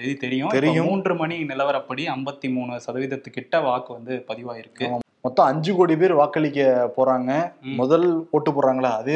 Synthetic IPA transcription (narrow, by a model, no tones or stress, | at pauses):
eðɯt̪ɛɾɪjʊ̃t̪ɛɾɪjʊ̃muːndrɯmɐɳinɪlɐʋɐɾɐpːɐɽiɐmbɐt̪ːimuːnɯsɐðɐʋɪðɐt̪ːɯkːɪʈːɐʋaːkɯʋɐnd̪ɯpɐðɪʋaːɪɾɯkːɯmɔt̪ːɔ̃ɐɲd͡ʒɯkoːɽipeːɾʋaːkɐɭɪkːɐpoːɾaːŋɡɐmʊðɐlpoːʈːɯpoːɾaːŋɡɐɭaːɐðɯ